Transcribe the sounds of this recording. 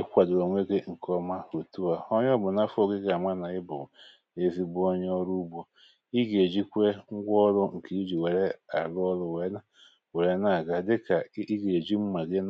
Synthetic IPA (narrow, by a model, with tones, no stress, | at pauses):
e˦kʷa˨dʊ˨ɾo˨ŋʷe˦ɡe˦ŋ̩˨kɔ˦ma˦ɾu˨tu˦a˨o˦ɲ˦ɔ˦bʊ˨na˦fo˦ɡe˦ɡa˨ma˦na˨ɪ˦bʊ̰˨ | e˦vi˦bʊ˦o˦ɲ˦ɔ˦ɾu˦bo˨ | i˦ɡe˨d͡ʒi˦kʷe˦ŋ̩˦ɡʷɔ˦ɾʊ˦ŋ̩˨ki˨˦i˦d͡ʒi˨we˨ɾe˦a̰˨lɔ˦lʊ˦we˨˦na˦ | we˨ɾe˦na˦˨ɡa˦dɪ˦ka˨i˦ɡe˨d͡ʒi˦m̩˦ma˨ɡe˦n